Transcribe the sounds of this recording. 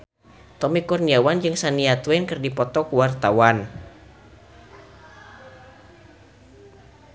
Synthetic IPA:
t̪ɔmikurniawand͡ʒɨŋsaniat̪wɛnkɨrdipɔt̪ɔkuwart̪awan

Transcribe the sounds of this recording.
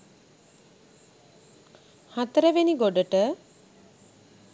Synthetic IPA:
hat̪əɾəʋeniɡoɖəʈə

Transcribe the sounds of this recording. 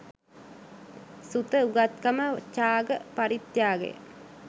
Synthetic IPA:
sut̪əuɡat̪kamət͡ʃaːɡəpaɾit̪jaːɡḛ

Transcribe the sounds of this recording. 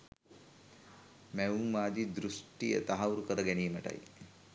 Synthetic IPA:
mɛʋuŋmaːd̪id̪ɾuʂʈijɐ̰t̪ɐɦɐʋuɾukɐɾɐɡɛnijmɐʈɐ̰j

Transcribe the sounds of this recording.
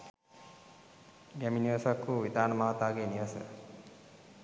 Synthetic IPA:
ɡæminiʋəsakːuʋid̪aːnəmaɦat̪aːɡeːniʋəsə̰

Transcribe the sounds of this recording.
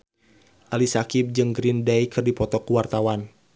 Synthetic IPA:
ʔalisakip̚d͡ʒɨŋɡɾindɛjkʰɨrdipɔt̪ɔkuwart̪awan

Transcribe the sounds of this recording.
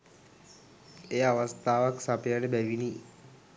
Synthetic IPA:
eːaʋast̪ʰaːʋaksapəjaɖebæʋini

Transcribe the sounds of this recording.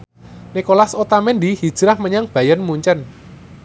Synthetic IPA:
nikolasot̪amend̪ihid̥ʒ̥ɾahməɲaŋb̥a̤jənmuɲt͡ʃən

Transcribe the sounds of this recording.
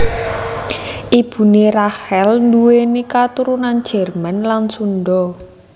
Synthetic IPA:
ʔib̥ṳnerahɛlnduwenekat̪uɾunand̥d͡ʒ̥ɛ̤rmanlansunɖɔ

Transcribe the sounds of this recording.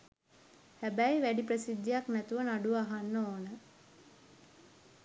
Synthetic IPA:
hæbæjʋæɖiprəsid̪ːəjaknæt̪uʋənaɖuaɦanːoːnə

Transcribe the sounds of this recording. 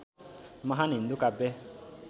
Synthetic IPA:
maɦanindukabɛ

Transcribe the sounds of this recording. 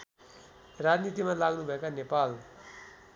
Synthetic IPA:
rad͡znit̪imalaɡnubʱʌekanepal

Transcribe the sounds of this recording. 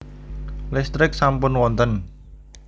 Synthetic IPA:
lɪst̪ɾɪk̚sampʊnwɔnt̪ən

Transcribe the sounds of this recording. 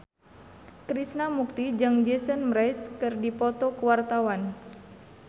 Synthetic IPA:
kɾisnamuk̚t̪id͡ʒaŋd͡ʒɛsənmɾajskɨrdipɔt̪ɔkəwart̪awan

